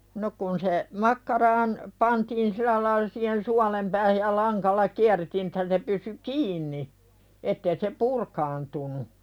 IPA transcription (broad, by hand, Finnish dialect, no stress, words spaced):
no kun se mɑkːɑrɑːn pɑntiːn silˑæ lɑilɑ siːhen suɑlem pæːhæj jɑ lɑŋkɑlːɑ kiærːetiːn etːæ se pysy kiːnːi etːeː se purkɑːntunu